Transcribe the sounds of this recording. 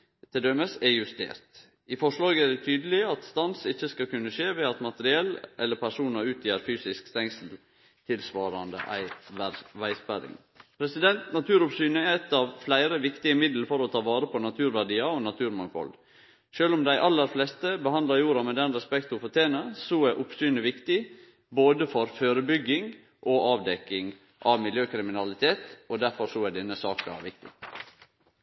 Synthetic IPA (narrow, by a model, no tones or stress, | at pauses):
t̪ʰɪd̪øməsɛjʉst̪ḛːɾt̪ | ɪfɔʂlɑːɡæɖɛt̪ʰyːd̪əlɪɑt̪st̪ɑnsɪçːəskɑkʉnːəʃeːʋɛɑt̪mɑt̪əɾɪɛlːʔɛlːəpʰæʂuːnɑʉːt̪ʰjæːɾfyːsɪskst̪ɛŋsəl̩ | t̪ʰɪlsʋɑːɾɑnd̪ə̰ʔæ̰ɪʋæɪspæɾɪ̰ŋ | pʰɾɛsɪd̪ɛnt̪nɑt̪ʰʉːɾʊpsyːnəɛɛt̪ːɑʋflæɪɾəʋɪkt̪ɪəmɪd̪l̩fɔɾɔt̪ʰɑːʋɑːɾəpʰɔnɑt̪ʰʉːɾʋæɖiːɑonɑt̪ʰʉːɾmɑnfɔ̰l | ʃøːlʊmd̪æɪʔɑlːəɾflɛst̪əbəhɑnd̪ɑɾjuːɾɑmɛd̪ɛnɾɛspɛkt̪ʊfɔt̪ʰeːnəsɔɛʔʊpsyːnəʋɪkt̪ɪ | boːd̪əfɔɾføːɾəbʏɡːɪŋ | ʔoʔɑːʋd̪ɛkːɪŋ | ʔɑʋmɪljøːkʰɾɪmɪnɑlɪt̪ʰeːt̪ɔd̪æɾfɔɾsɔæɖ̪ɪnːəsɑːkɑ̰ʋɪk̚t̪ɪ̰